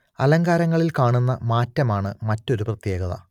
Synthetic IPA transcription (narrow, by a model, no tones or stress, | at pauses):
ɐlɐŋɡaːɾɐŋːɐɭilkaːɳunːɐmaːtːɐmaːɳɨmɐtːo̞ɾuprɐt̪je̞ːɡɐðɐ̰